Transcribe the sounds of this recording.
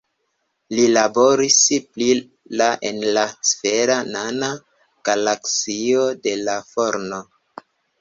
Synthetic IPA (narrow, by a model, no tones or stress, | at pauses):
lilabo̞ɾispli | laʔenlasfeɾanana | ɡ̥alaksio̞de̞lafo̞ɾno